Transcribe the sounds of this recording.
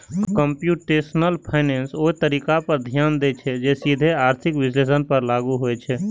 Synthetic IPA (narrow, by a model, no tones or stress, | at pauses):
kəmpjuːʈesnəlpʰaɪnẽːnsoːet̪əɾiːkapəɾd̪ʱjaːnd̪et͡ʃʰɛd͡ʒesid̪ʱeaːɾt̪ʰɪkʋɪsleːsənpəɾlaːɡuɦoet͡ʃʰɛ